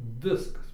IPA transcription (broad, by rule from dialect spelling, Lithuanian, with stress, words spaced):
ˈʋʲɪskɐs